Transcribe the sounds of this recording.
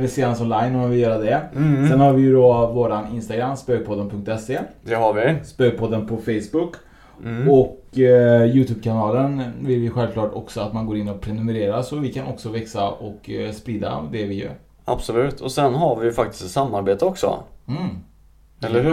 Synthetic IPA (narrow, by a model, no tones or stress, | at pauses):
vɪseːd̪ansɔnlajnɔvɪjœːɾad̪ɛsɛnhaɾvɪjɵd̪ɔvoːɾanɪnst̪aɡɾamːspøːɡ̚pʰɔd̪ːənpʰɵŋk̚t̪ɛseːd̪̥ɛhaɾvɪspøːɡ̚pʰɔd̪ːənpʰɔfɛjsbɵkː | ɔk | jʉ̟ːt̪ʰʉːb̚kʰanɑːlənvɪlvɪjɧɛlvkʰlɑːʈɔ̰ksɔat̪manɡoːɾɪnːɔpʰɾɛnɵmɛɾeːɾasɔvɪkʰanʔɔksɔvɛksaɔkspɾiːd̪a̰d̪ɛvɪjœ̰ːɾ | a̰b̥sɔlʉ̟ːt̪ʰɔsɛnɦaɾvɪjfak̚t̪ɪ̥st̪ɛt̪samːaɾbeːt̪əɔksɔ̰h̩ | ɛlːəh